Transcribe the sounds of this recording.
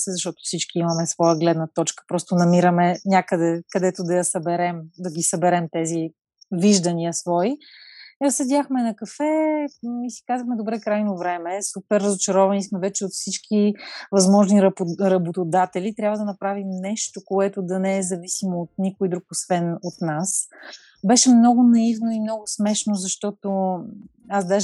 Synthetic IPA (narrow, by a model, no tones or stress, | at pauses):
sɛzɐʃt̪ɔt̪ʊ̥fsit͡ʃkiimɐmɛsvɔjəɡlɛd̪nət̪ɔt͡ʃkə̥pɾɔst̪onɐmiɾəmɛnʲjakəd̪ɛkɐd̪ɛt̪od̪ɐjɐsɐbɛɾɛmd̪ɐɡʲisɐbɛɾɛmt̪ɛzi | viʒd̪ɐniəsvɔi | səd̪ʲaxmɛnɐkɐfɛ | isi̥kazəxmɛd̪obɾɛkɾajnovɾɛmɛsupɛɾːəzot͡ʃɐɾɔvɐnismɛvɛt͡ʃɛot̪fsit͡ʃkʰivɐzmɔʒniɾɾɐbot̪od̪at̪ɛlʲit̪ɾjabvəd̪ɐnɐpɾavimnɛʃt̪okoɛt̪ʊd̪ɐnɛɛzɐvisimoːt̪̚nikojd̪ɾukosvɛnot̪nas | bɛʃɛmnɔɡʊnɐivnoimnɔɡʊsmɛʃnozɐʃt̪ɔt̪o | azd̪aʒ